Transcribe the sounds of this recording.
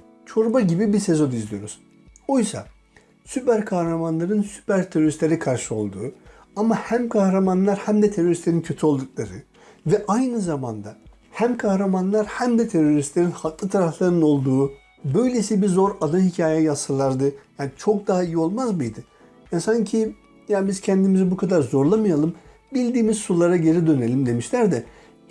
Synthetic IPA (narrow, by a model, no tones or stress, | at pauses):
t͡ʃʰo̞ɾubaɟibibise̞zo̞nizlʲijo̞ɾuz̥ | ojsa̰ | sypæɾkʰahɾamanlˠaɾɯnsy̥pæɾt̪ʰeɾoɾist̪lʲeɾikʰaɾʃɯo̞̰lˠd̪uː | amahæmkʰahɾamanlˠaɾhæmd̪ɛt̪ʰe̞ɾo̞ɾist̪lʲeɾincʰø̞t̪ʰyo̞lˠd̪uk̚lˠaɾɯ | vɛʔajnɯzamand̪a | hæmkʰahɾamanlˠaɾhæmd̪ɛt̪ʰe̞ɾo̞ɾist̪lʲe̞ɾinhaklˠɯt̪ʰaɾaflˠaɾɯno̞lˠd̪uː | bø̞jlʲe̞sibizo̞ɾad̪ahicʰaːjɛjasɯlˠaɾd̪ɯjanit͡ʃʰo̞k̚d̪aɦaijio̞lˠmazmɯjd̪ɯ | jasaɲcʰi | jabiz̥cʰɛnd̪imizɛbukʰad̪aɾzo̞ɾlˠamɯjalˠɯm | bilʲd̪iːmizsulˠaɾaɟe̞ɾid̪ø̞nelʲimd̪e̞miʃlʲæɾd̪ɛ